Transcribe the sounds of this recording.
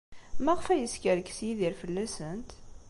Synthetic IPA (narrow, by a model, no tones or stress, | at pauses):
mæʁəfæjəskəɾkːsjiðiɾfəlːæsənt̪